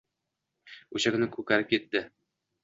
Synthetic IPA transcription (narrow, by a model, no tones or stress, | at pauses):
ʉɕækɘ̆nɘkʉkæɾɘp̚kit̪ːɘ